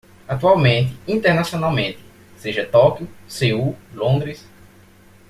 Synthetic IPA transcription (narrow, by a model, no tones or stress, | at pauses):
at̪uawmẽnt̪ɪĩnt̪eɾnasiõnawmẽnt̪ɪ̥ | seʒɐt̪ɔkjʊseulõnd̪ɾis